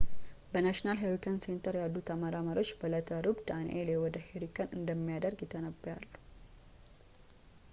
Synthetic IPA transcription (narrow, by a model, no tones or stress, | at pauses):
bənaʃnalɦeɾikʰənse̞nt̪ʰəɾjalːut̪ʰəmaɾaməɾo̞t͡ʃːbələt̪ʰəɾubd̪anelewɔd̪əheɾikənɨnd̪əmːijad̪əɾɡjɪt̪ʰːənəbjalːu̥